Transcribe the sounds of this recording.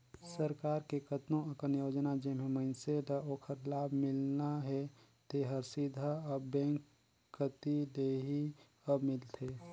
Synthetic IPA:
səɾkaːɾkekət̪nõɐkənjoːd͡ʒnad͡ʒeɦmẽmənseɖaoːkʰəɾlaːbʱmɪlnaɦɛ | t̪eɦəɾsɪd̪ʱaɔːbɛ̃ːŋkʰː | ət̪id̪eːɦi | əbmɪlt̪ʰeː

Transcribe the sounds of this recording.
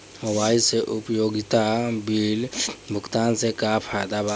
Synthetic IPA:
ɦowaːiseʔʊpjoːɡɪt̪abiːlbʱʊkt̪aːnsekaːpʰaːjd̪aba

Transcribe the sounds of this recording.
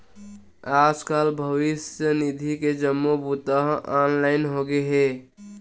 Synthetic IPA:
aːd͡ʒkaːlbʱəʋɪsjənid̪ʱiked͡ʒəmːobut̪aɦaːnlaːɪnɦoɡeɦɛː

